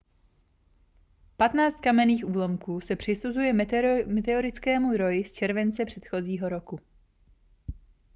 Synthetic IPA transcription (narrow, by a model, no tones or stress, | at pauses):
pat̪naːt͡st̪̚kamɛniːxʔuːlomkuːsɛpr̝̥ɪsuzujɛmmɛt̪ɛoɾɪt͡skɛːmud̪ɾojɪst͡ʃɛɾvɛnt͡sɛpr̝̥ɛt̪xo̞ziːɦo̞ɾo̞ku